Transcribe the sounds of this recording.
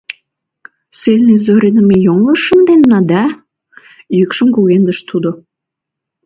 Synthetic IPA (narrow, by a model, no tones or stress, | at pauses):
selʲnizoɾʲenəmejoŋləʃə̆md̪enːɑd̪ɑ | jykʃə̆mkuɣend̪ə̆ʃt̪ud̪o